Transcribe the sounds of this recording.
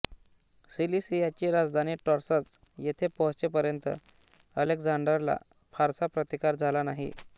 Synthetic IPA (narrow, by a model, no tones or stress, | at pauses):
silisijat͡ɕiɾad͡zd̪ʱaniːʈɔɾsat͡s | jet̪ʰepɔt͡ɕepəɾjənt̪ə̰ | əlekd͡zaɳɖəɾla̰ | faɾsapɾət̪ikaɾd͡zʱalanaɦḭ